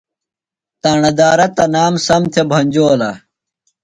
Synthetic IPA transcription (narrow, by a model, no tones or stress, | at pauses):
t̪aːɳɐd̪aːɾɐt̪ɐnaːmsɐmt̪ʰebʱɐnʲd͡ʑoːlɐ